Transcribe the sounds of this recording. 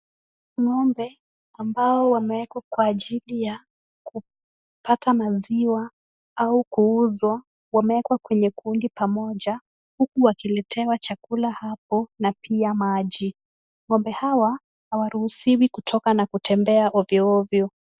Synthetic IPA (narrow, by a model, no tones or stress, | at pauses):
ŋɔmbɛ | ambaɔwamɛɛkwakwaːʄilija | ku | patamaziwa | aukuuzwa | wamɛɛkwakwɛɲɛkundipamɔʄa | hukuwakilɛtʰɛwat͡ʃakulahap̚ɔnapʰiamaʄi | ŋɔmbɛhawa | hawaɾuhusiwikutʰɔkanakutʰɛmbɛaʔɔvjɔɔvjɔ